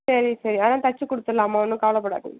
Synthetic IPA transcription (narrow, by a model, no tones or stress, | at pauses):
sɐɾisɐɾiɐːnaːt̪ɐt͡ʃːɯkɔɽɯt̪ːɐlaːmɐːnːɯkaːɐlɐpːɐɽa̰ːʈːɯ̰